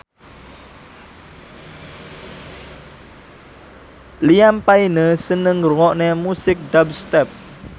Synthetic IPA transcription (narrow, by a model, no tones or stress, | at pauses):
liampainesənəŋrwɔʔnemusɪk̚dab̚st̪ɛp̚